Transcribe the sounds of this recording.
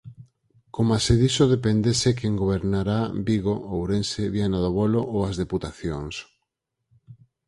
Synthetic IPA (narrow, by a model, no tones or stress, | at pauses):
komaseðisoðepend̪esekeŋɡoβeɾnaɾabiɣoowɾenseβjanaðoβoloʔoazðeput̪aθjoŋs